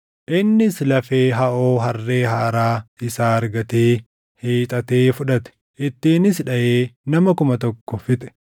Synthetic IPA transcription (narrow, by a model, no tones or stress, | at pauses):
ʔɪnːɪslɐfe̞ːɦɐʔo̞ːɦɐrːe̞ːɦaːɾaːɪsaːɐɾɡɐt̪eː | heːt̪ʼɐt̪e̞ːfʊᶑɐt̪ɛ̥ | ʔɪt̪ːiːnɪsᶑɐʔeːnɐmɐkʊmɐt̪ɔkːɔfɪt̪ʼɛ̥